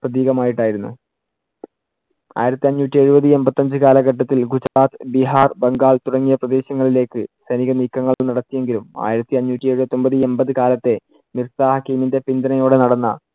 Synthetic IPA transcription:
prɐðiːɣɐmaːjiʈːaːjiɾunːṵ | a̰ːjiɾɐt̪ːiɐɲːuːtːie̞ɻubɐðɨe̞mbɐt̪ːɐɲd͡ʑɨkaːlɐɡɐʈːɐt̪ːilɡud͡ʑɾaːt̪ɨbiɦaːrbɐŋɡaːɭt̪uɽɐŋːijɐprɐd̪e̞ːɕɐŋːɐɭile̞ːkːɨsɐniɣɐniːkːɐŋːɐɭɭnɐɽɐt̪ːije̞ŋɡiluma̰ːjiɾɐt̪ːiɐɲːuːtʲːieɻubɐt̪ːo̞mbɐðɨe̞mbɐðɨkaːlɐt̪ːe̞ | mirsaːhɐkiːminde̞pind̪ɐnɐjo̞ːɽe̞nɐɽɐnːɐ̰

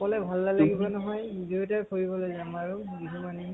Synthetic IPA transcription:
kɔlɛbʱalːalaɡibanɔɦɔj | dutapʰoɹibɔlojzamaɹu | ɡiɦumani

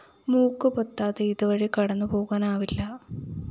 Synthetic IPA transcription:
muːkːɨpɐt̪ːaːðeiðuʋɐɻikɐɽɐnːɨpo̞ːɣaːnaːʋilːɐ

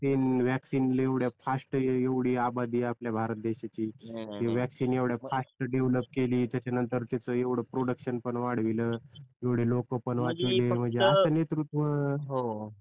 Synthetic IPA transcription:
t̪iːnʋɛksiːnleʋɽjafʰasʈeʋɽ̤iːabad̪iːapljabʱaɾət̪̚d̪eɕat͡ɕiːt̪eʋɛksiːnjeʋɽjapʰasʈɖeʋləp̚keliːt̪jat͡ɕanənt̪əɾt̪jat͡səeʋɽ̤əpɾoɽəkɕənpəɳʋaɽ̤ʋiləːjeʋɽ̤elokəpəɳʋat͡sʋilem̤əɳd͡zeəsəːnet̪ɾut̪ʋəɦo

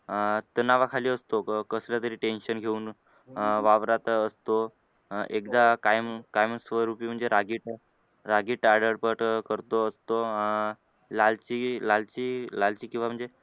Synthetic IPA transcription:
t̪ənaʋakʰaliːəst̪okəslat̪əɾiːʈenɕənɡʱeuːn | ʋaʋɾat̪əst̪o | ekd̪akajmkajmsʋəɾupiːm̤əɳd͡zeɾaɡiːʈ | ɾaɡiːʈaɾɖəɾpəʈkəɾt̪oəst̪o | lalt͡ɕilalt͡ɕiːlalt͡ɕiːkĩw̃ʋam̤əɳd͡ze

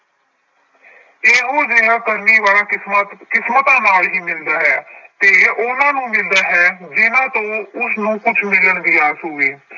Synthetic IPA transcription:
eːɦõːd͡ʒeːɡaːkəɾniːʋaːɾaːɪsmkɪsmət̪ãːnaːlɦiːmɪld̪aːɦɛːt̪eːʔʊnãːnũːmɪld̪aːɦɛːd͡ʒɪnãːt̪õːʊsnũːkʊt͡ʃʰmɪləɳd̪ɪjaːsoːeː

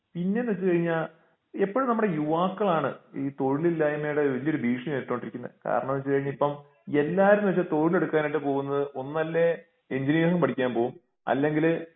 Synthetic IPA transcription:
pinːenʋɐt͡ɕːɨkɐɻiɲːaːl | epːoɻumnɐmːuɽejuʋaːkːɐɭaːɳɨiːt̪o̞ɻililːaːjimejɽeʋɐlijoɾubʱiːʂɐmetːoːɳɖiɾikʲːunːɐ̰ðɨka̰ːɾɐɳɐmʋɐt͡ɕːɨkɐɻiɲːipːɐm | e̞lːaːɾumʋɐt͡ɕːat̪o̞ɻile̞ɽukːaːniʈːɨpo̞ːɣunːɐðɨʔonːɐlːe | eɲd͡ʑiniːsɐmpɐʈʰikʲːaːnpo̞ːɣum | ɐ̰lːe̞ŋɡil

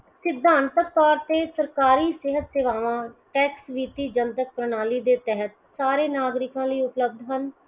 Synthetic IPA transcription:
sɪd̪ʱːãːnt̪əkpaːɾt̪eːsəɾkaːɾiːsɪɦət̪seʋaːʋãːʈɛːksʋiːt̪iːd͡ʒənt̪ək̚pɾənaːliːd̪eːt̪ɛɦət̪ | saːɾeːnaːɡɾɪkãːləiːʊpləb̚d̪ɦən

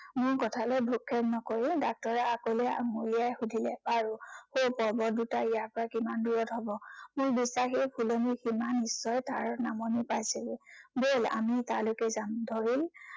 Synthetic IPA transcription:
mʊɹkɔtʰalɛbʱukʰːɛtnɔkoɹidak̚tɔɹɛakolɛ̰mulijajxudʱilɛbaɹuhopɔɹbɔdutaijaɹpɔɹakimanduɹɔtɦɔbɔmʊɹbisaxipʰulɔnikimanisːɔjtaɹɔnamɔnipajsilbola̰mitaɹlokɛzamdʱɔɹil

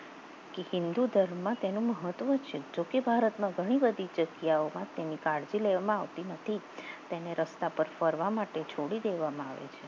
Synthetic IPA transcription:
kehɪnd̪ud̪ʱəɾːãt̪enũməɦət̪ʋət͡ʃʰed͡ʒokebʱaɾət̪mãɡʱəɽ̃ibəd̪ʱid͡ʒəɡjaomãt̪enikaɽd͡ʒileʋamãaʋt̪inət̪ʰi | t̪eneɾəst̪apəɾfəɾʋamaʈet͡ʃʰoɽid̪eʋamãaʋḛt͡ʃʰe

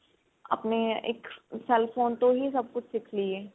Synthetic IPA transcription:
ɐ̰pneḛːksɛlfoːnt̪oɦisɐb̚kʊt͡ʃʰsɪkʰlieː

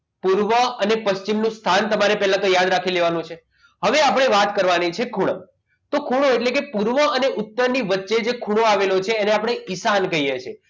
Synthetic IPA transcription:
puɾʋəənepəʃt͡ʃimnũst̪ʰant̪əmaɾepɛɦlãkəjjad̪ɾakʰileʋanũt͡ʃʰe | ɦəʋeapəɽ̃eʋat̪kəɾʋanit͡ʃʰekʰuɽ̃ə̰ | t̪okʰuɽ̃oeʈlekepuɾʋəəneʔʊt̪ːəɾniʋətːʃed͡ʒekʰuɽ̃oaʋelot͡ʃʰeːneapɽ̃eʔisankəijet͡ʃʰe

